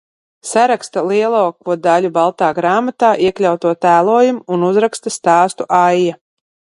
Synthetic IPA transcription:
saɾakst̪alˠiɛlˠoːkvuɔd̪alʲubalˠt̪aːɡɾaːmat̪aːʔiɛklʲawt̪uɔt̪æːlˠuːjumuːnuzɾakst̪ast̪aːst̪uʔajːa

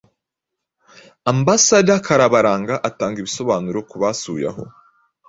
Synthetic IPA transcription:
ambasaɾjakʰaɾaβaɾaːŋɡaʔataːŋɡiβiso̞βaːnuɾo̞kuβasṵja̰ɦo̞̰

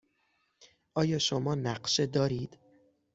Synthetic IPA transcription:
ʔɒːjɒːʃomɒːnæɢʃed̪ɒːɾiːd̪̥

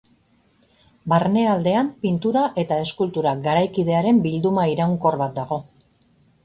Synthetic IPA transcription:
barne̞ald̪e̞ampint̪uɾaʔe̞t̪ae̞skult̪uɾaɡaɾajkið̞e̞aɾe̞mbild̪umaiɾaŋko̞rβat̪̚d̪aɣ̞o̞

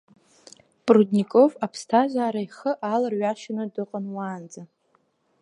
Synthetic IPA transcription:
pʼrudnikʼo̞vapʰstʰaʒʷaːɾaiχəʔalarɥaʃɪnɨdɨqʼənwaːnd͡za

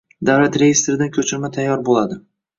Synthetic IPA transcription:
d̪awlat̪ɾe̞jɪst̪ɾɪd̪ankʲʰɵt͡ʃʰɪɾmat̪ʰajːɒɾbolad̪ɪ

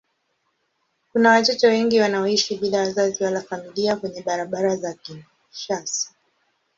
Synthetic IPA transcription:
kunawatɔt͡ʃɔwɛŋɡiwanaɔiʃiɓilawazaziwalafamiliakwɛɲɛɓaɾaɓaɾazakin | ʃasi̥

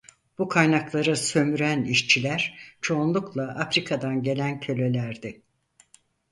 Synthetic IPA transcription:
b̥ukʰajnaklˠaɾɯsø̞myɾæniʃt͡ʃʰilʲæɾ̥t͡ʃʰo̞ːnlˠuklˠaʔafɾikʰad̪anɟe̞lʲæncʰø̞lʲe̞lʲæɾd̪ɪ

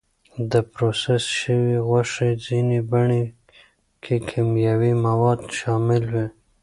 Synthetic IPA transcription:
d̪əpɾosesʃəwiɣaʂed͡zinebaɳe | kʰekʰimjawimawɑd̪ʃɑmɪlwi

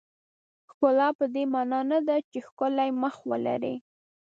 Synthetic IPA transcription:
xkʊlɑpəd̪emɑnɑnad̪at͡ʃexkʊlajməxwə̰la̰ɾḭ

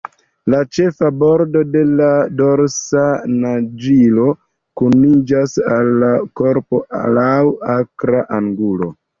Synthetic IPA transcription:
lat͡ʃe̞fabo̞ɾdo̞de̞lado̞ɾsanad͡ʒilo̞ | kunid͡ʒasalːako̞ɾpo̞lawakɾaʔaŋɡulo̞̰

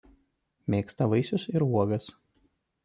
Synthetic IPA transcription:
mʲeːkst̪ɐʋɐɪsʲʊsɪɾuɔɡɐs

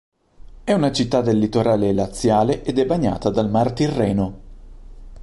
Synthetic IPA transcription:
ɛunat͡ʃit̪ːad̪elːit̪oɾaːlelat̪sːjaːleʔed̪ɛbːaɲːa̰ːt̪ad̪almart̪irːɛːno

